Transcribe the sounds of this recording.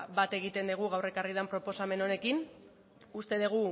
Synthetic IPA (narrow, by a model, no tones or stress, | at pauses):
bat̪e̞ɣ̞it̪e̞nd̪eɣ̞uɣ̞awre̞kariðampɾo̞po̞same̞no̞ne̞kin | ust̪e̞ð̞eɣ̞u